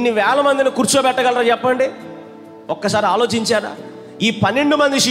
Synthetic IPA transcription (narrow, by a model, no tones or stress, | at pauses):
nːiʋɛːɭɐmɐnd̪inikuːɾt͡ʃoːbɛʈːɐɡɐlɐɾaːt͡ʃɛpːɐɳɖi | ɔkːɐsaːɾiaːlo̞ːt͡ʃiɲt͡ʃaːɾa̰ː | iːpɐnːe̞ɳɖumɐnd̪iʃi